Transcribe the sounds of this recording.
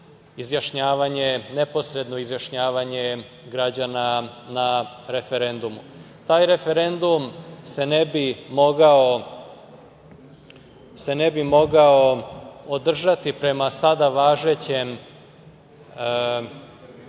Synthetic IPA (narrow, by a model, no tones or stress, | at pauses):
izjaʃɲaːʋaɲe̞ne̞po̞sɾe̞d̪no̞izjaʃɲaːʋaɲe̞ | ɡɾad͡ʑananaɾe̞fe̞ɾe̞nd̪umu | t̪aːjɾe̞fe̞ɾe̞nd̪umse̞nebimo̞ɡao̞ | se̞ne̞bimo̞ɡao̞od̪r̩ʒat̪ipɾe̞masad̪aʋaːʒe̞t͡ɕe̞m